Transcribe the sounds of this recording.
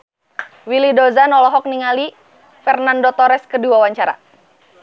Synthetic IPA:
wilidɔzanɔlɔɦɔk̚niŋali | fɛrnandot̪ɔɾɛskədiwawaɲt͡ʃaɾa̰

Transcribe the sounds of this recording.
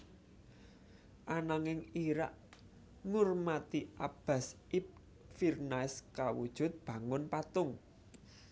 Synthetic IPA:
ʔanaŋɪŋiɾaʔ | ŋʊrmat̪iʔab̥a̤s | ip̚ | firnaɪskawṵd̥ʒ̥ʊ̤t̪̚b̥ä̤ŋʊnpat̪ʊŋ

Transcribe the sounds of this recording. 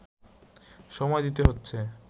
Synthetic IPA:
ʃɔmɔed̪it̪eɦotːɕʰe

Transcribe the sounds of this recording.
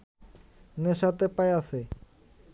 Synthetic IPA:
neʃat̪epaeasʰe

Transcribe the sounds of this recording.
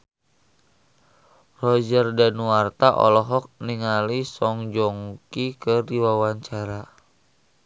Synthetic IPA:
rɔd͡ʒərdanuart̪aʔɔ̰lɔɦɔk̚niŋalisɔŋd͡ʒɔŋkikədiwawaɲt͡ʃaɾa

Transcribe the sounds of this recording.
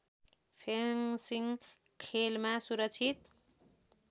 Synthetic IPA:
pʰensiŋ | kʰelmasuɾʌk̚t͡sʰit̪

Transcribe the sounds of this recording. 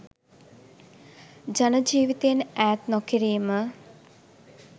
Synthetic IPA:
d͡ʒanəd͡ʒiːʋit̪ejnæːt̪nɔkiɾeːmə

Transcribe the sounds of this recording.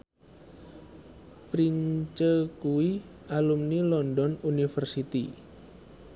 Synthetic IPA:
pɾiɲt͡ʃəkuwiʔalumnilɔndɔnunifərsit̪i

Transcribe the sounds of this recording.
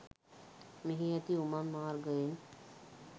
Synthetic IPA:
miɦiɐt̪iumɐnmaːɾɡəin

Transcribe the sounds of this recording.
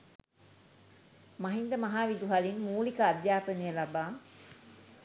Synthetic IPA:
maɦind̪əmaɦaːʋid̪uɦalinmuːlikəːd̪jaːpənijəlabaːŋ

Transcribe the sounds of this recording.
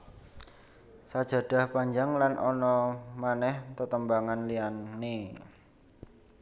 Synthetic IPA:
sad̥ʒ̥a̤ɖ̥a̤hpaɲd͡ʒaŋlanʔɔnɔmanɛht̪ət̪əmbaŋanlianːe

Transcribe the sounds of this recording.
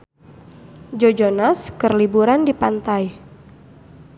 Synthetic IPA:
d͡ʒod͡ʒonaskərlibuɾandipant̪aj

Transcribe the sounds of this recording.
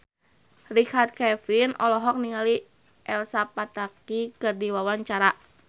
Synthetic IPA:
rikart̪̚kɛfinɔ̰lɔɦɔk̚niŋali | ʔɛlsapat̪akikɨrdiwawaɲt͡ʃaɾa

